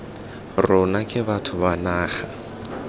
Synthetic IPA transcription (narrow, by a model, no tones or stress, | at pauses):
rʊnakʼɪbatʰʊβanaːχa